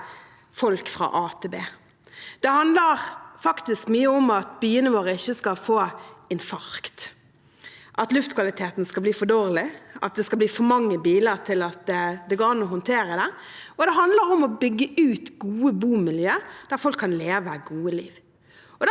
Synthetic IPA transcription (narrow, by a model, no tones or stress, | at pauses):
fɔlkfʁɑ̰ʔɑːt̪ʰebeː | d̪̥ɛhɑnd̪ləʁfɑkt̪ɪskmyːəʊmɑt̪̚byːənəʋoːɾəɪçːəskɑlfoːɪnfɑɾkt̪ | ʔɑt̪lʉft̪kʰʋɑlɪt̪ʰeːt̪n̩skɑlbliːfɔd̪oːɾlɪʔɑ̰t̪̚d̪ɛskɑb̪iːfɔɾmɑŋːəbiːləɾt̪ʰɪlɑt̪d̪ɛɡoːnuːhɔnt̪ʰeːɾəd̪ɛ | ɔd̪ɛɦɑnd̪ləɾɔmɔbʏɡːəʉːt̪ɡuːəbuːmɪljøːd̪̥æʁfɔlkʰːɑnleːʋəɡuːəliːʋ | ɔd̪